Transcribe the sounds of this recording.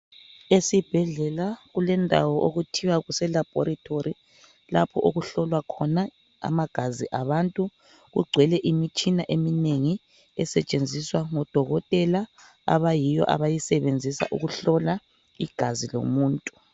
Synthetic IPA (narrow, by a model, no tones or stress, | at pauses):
esib̥ʱɛɮɛlaɣulɛndʱa̰wɔʔoɣutʰiwaɣusɛlab̥ʱoɾatʰoɾi | lapʰɔʔoɣuɬɔlwakʰɔna | a̰maɡ̥ʱaziʔaβantʼu | ɣṵɡ͡ǀʱwɛlɛʔimit͡ʃʼinaʔemineŋi | ɛsɛt͡ʃʼend͡zʱiswaŋɔd̥ʱɔɣɔtʼɛla | a̰βajijɔ̰ʔa̰βajisɛβend͡zʱisa̰ʔṵɣuɬɔla | iɡ̥ʱazilo̰muːntʼu